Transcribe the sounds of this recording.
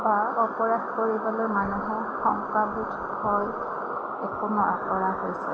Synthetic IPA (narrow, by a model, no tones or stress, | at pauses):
baɔpɔɹadkoɹibɔlɔmanuɦɛ | xɔŋkɹabit | hɔj | ɛkunɔakɔɹaɦojsɛ̰